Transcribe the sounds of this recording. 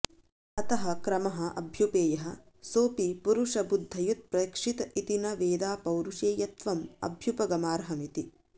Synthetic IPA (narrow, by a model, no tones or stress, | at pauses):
ɐt̪ɐɦɐkɾɐmɐɦɐ̆ʔɐ̰bʱjupeːjɐɦɐ | soːpipuɾuʂɐbud̪ʱːɐjut̪̚pɾɐkʂit̪ɐit̪inɐʋeːd̪aːpɐwɾuʂeːjɐt̪ʋɐmɐ̰bʱjupɐɡɐmaːɾɐɦɐmit̪i